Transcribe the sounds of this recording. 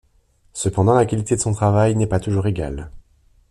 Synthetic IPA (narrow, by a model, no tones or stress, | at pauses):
səpɑ̃d̪ɑ̃lakʲalit̪ed̪əsɔ̃t̪χavajnɛpat̪uʒuʁeɡʲa̰l